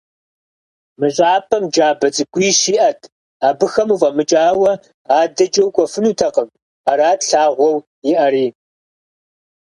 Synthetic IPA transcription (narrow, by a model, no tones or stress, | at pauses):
mɨʑʼaːpʰɐmd͡ʒaːbɐt͡sʼɨkʷʼiːʃiːʔɐtʰ | aːbɨxɐmuvʼɐmɨt͡ʃʼaːwɐ | aːdɐd͡ʒʼɐwkʷʼɔfɨnuːtʰɐqəm | ɐɾaːtɬaːʁʷɔw | iʔɐɾiː